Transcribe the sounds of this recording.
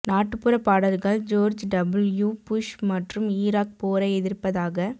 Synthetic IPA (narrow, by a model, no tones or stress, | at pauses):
naːʈːɯpːɯɾɐpːaːɽɐɾɣɐɭd͡ʒoːɾd͡ʒɖɐbɪljuːpʊʂmɐʈrɯmiːɾaːk̚poːɾɐɛðɪɾpɐðaːɣɐ